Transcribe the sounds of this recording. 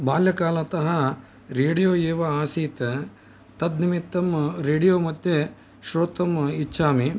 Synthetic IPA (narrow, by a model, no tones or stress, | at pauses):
baːljɐkaːlɐt̪ɐɦɐ | ɾeːɽijoːjeːʋɐaːsiːt̪ɐ | t̪ɐd̪nimit̪ːɐmɾeːɽijoːmɐt̪je | ʃɾoːt̪ɐmit͡ʃʃʰaːmi